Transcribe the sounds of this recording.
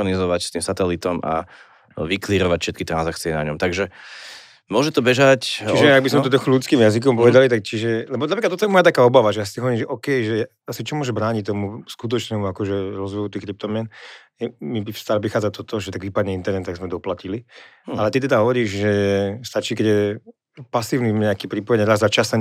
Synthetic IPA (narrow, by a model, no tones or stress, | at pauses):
ɔnizɔʋacst̪iːmsat̪ɛlit̪ɔma̰ | ʋikliːɾɔʋacfʃɛt̪̚kit̪ɾanzakt͡siɛna̰ɲɔmt̪aɡʒɛ | mʊɔʒɛt̪ɔbɛʒact͡ʃiʒɛaɡbizmɛɔt̪ɔxɔlutt͡skiːmjazik̬ɔmpɔʋɛd̪alit̪ak̚t͡ʃiʒɛlɛbɔnapɾiklat̪t̪ːɔt̪ɔjɛmɔjat̪akaːɔbaʋaʒɛjasit̪iɦɔʋɔɾiːmʒɛʔɔːkɛjʒɛ | asit͡ʃɔmʊɔʒɛbɾaːɲict̪ɔmuskut̪̬ɔt͡ʃnɛmuakɔʒɛɾɔzʋɛjut̪iːxkɾip̚t̪ɔmɪɛn | mibifst̪aːlʋixaːd͡zat̪ɔt̪ɔʒɛt̪aɡʋipad̪ɲɛint̪ɛɾnɛt̪t̪aɡzmɛd̪ɔplacili | alɛt̪it̪̬ɛd̪aɦɔʋɔɾiːʒʒɛst̪at͡ʃiːkɛɟjɛ | pasiːʊniɲɛakipɾipɔjɛɲɾazzat͡ʃasɛ